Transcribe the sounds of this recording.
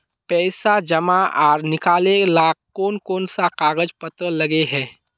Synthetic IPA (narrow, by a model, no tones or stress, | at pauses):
pɛːsad͡ʒəmaʔaːɾnɪkaːlelaːkkːoːnkoːnsakaːɡəd͡ʒpət̪ɾələɡeɦɛ̃ː